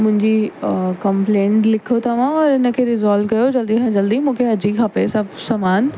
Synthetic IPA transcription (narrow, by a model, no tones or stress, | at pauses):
mʊ̃ɦɪ̃ɲd͡ʑikɐ̃mplẽːɳʈlɪkʰot̪ɐʋ̤ãɔːɾɪnə̆kʰeːɾɪzaːlkɐjod͡ʑɐld̪iɦɛ̃d͡ʑɐld̪imũːkʰeɐd͡ʑikʰaːpesɐbsɐːmaːn